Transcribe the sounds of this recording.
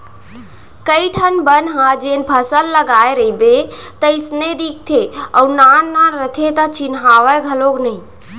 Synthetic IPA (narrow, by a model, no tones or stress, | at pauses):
kəiʈʰənbənɦãd͡ʒenpʰəsəlːəɡaeɾəɦibet̪əɪsned̪ik̚ʰt̪ʰeɔʊɾnanːaɾət̪ʰet̪ət͡ʃinɦaʋəɡʱəloɡnəi